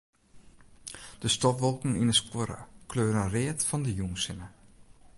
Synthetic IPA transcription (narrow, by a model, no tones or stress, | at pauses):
d̥əstɔpʋɔlˠkŋ̩inəskwoɾə̰kʰløːɾənreətfɔndəjuŋsɪnə